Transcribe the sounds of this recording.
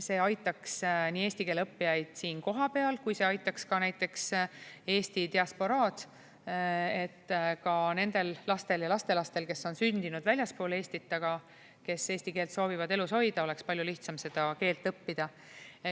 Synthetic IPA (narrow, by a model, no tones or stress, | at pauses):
se̞ːɑjt̪ːˑɑksniːe̞ːsʲt̪ike̞ːlɤpːijɑjd̪̥siːnko̞ɦɑpe̞ɑlkujse̞ɑjt̪ˑːɑkskɑnæjt̪ːˑe̞kse̞ːst̪it̪eɑspo̞ɾɑːd̪̥ | e̞t̪ːkɑne̞nd̪̥e̞lːɑst̪e̞ljɑlɑst̪e̞lɑst̪e̞lke̞sːo̞nsynd̪inud̪vælʲjɑspo̞ːle̞ːsʲt̪it̪ːˑɑɡ̥ɑ | ke̞se̞ːsʲt̪ike̞ːlt̪so̞ːvivɑd̪e̞luso̞jd̪̥ɑo̞le̞kspɑlʲjuliht̪sɑmse̞d̪̥ɑke̞ːlt̪ˑɤpːid̪̥ɑ